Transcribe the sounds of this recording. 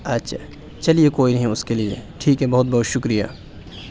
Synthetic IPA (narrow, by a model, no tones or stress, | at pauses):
ɐtːʃʰa | t͡ʃɐlijekoːinɐɦĩʊskeliḛʈʰiːkɦɛ̃bɐɦʊt̪̚bɐɦʊt̪ʃʊkɾija̰ː